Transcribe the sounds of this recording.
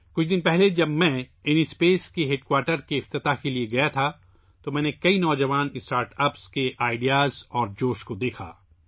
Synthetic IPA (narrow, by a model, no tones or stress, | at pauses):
kʊt͡ʃʰd̪ɪ̃npɛɦled͡ʒɐbmɛ̃ɪnispeːskeɦeʈkwaːɾʈəɾkeɪft̪ɪt̪akelieɡɐjat̪ʰa | t̪omɛ̃ːnekɐinɔːd͡ʒɐʋaːnɪsʈaːɾʈɐpskeʔaːɪɖijaːzɔːɾd͡ʒoːʃkod̪eːkʰa̰ː